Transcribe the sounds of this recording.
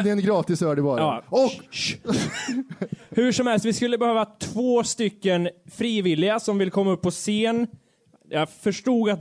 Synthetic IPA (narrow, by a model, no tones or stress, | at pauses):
d̪ɛɛnɡɾɑːt̪ɪsœːɖɛbɑːɾɑːɔk | hʉʂɔmhɛlst̪vɪskɵlːəbɛhøːvat̪ʰvoːst̪ʏkːənfɾiːvɪlɪɡasɔmvɪlkʰɔmːaɵpːɔseːn | jɑfœʂʈuːɡat̪̚